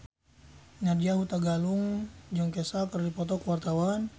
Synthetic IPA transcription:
nardiahut̪aɡaluŋd͡ʒɔŋkɛsalkərdipɔt̪ɔkəwart̪awan

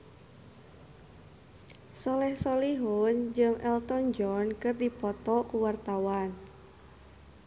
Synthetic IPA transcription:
sɔlɛhsɔliɦund͡ʒɨŋʔɛlt̪ɔnd͡ʒɔnkərdipɔt̪ɔkuwart̪awan

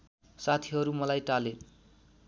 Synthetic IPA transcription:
sat̪ʰiɦʌɾumʌlajʈale

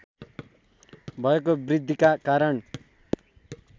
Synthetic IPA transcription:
bʱʌekobrid̪ʱːikakaɾʌɳ

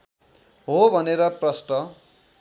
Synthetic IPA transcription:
ɦobʱʌneɾʌprʌsʈʌ

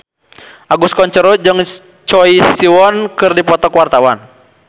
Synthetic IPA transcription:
ʔaɡuskɔɲt͡ʃəɾɔd͡ʒɨŋ | t͡ʃɔisiwɔnkɨrdipɔt̪ɔkwart̪awan

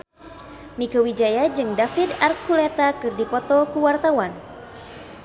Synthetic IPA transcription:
mikəwid͡ʒajad͡ʒɨŋdafidarkulet̪akɨrdipɔt̪ɔkuwart̪awan

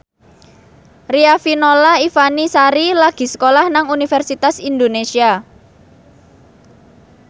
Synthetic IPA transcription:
riafinolaifanisaɾilaɡ̥i̤sə̥kolahnaŋunifɛrsit̪asind̪onesia

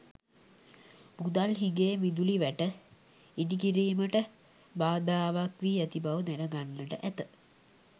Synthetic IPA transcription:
b̥ud̪alɦiŋɡeːmid̪uliʋæʈə | id̪ik̬iɾiːməʈə | baːd̪aːʋakʋiːæt̪ibaʋənæɾəɡanːəʈəʔæt̪ə

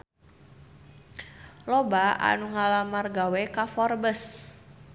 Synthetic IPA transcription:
lɔbaʔa̰nuŋalamarɡawekafɔrbəs

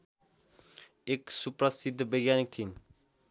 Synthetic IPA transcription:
eksupɾʌsid̪ʱːbeɡjanik̚t̪ʰin

